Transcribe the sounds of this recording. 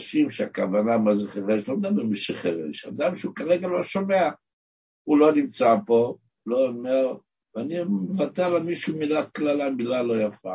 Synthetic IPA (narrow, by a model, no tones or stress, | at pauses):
ʃimʃeakavanamazeχeʁeʃlomd̪aabemiʃeχeʁḛʃa̰d̪amʃeukaʁeɡalo̞ʃo̞mea | ulo̞nimt͡sapo̞ | loomeʁ | veanimevat̪ealamiʃumilat̪̚klalamilalːo̞jafa̰